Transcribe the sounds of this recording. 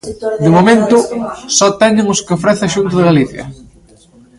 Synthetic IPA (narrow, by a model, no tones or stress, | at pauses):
d̪ɪmomẽnt̪ʊsɔt̪ɛɲɪŋʊskɪofɾɛθɐʃunt̪̬ʊðɪɣaliθjɐ̰